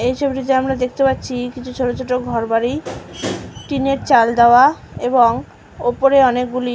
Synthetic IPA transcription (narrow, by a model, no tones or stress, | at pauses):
et͡ɕʰobʈit̪̬eamɾad̪ekʰt̪epat̪ːɕʰikit͡ɕʰut͡ɕʰoʈot͡ɕʰoʈoɡʱɔɾbaɾi | ʈineɾt͡ɕald̪aoaeboŋ | opoɾeɔnek̚ɡuli